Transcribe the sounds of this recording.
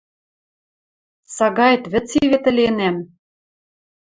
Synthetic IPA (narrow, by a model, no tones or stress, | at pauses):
sɑɣɑjt̪βɘ̆t͡siβĕt̪ɘ̆lʲenæm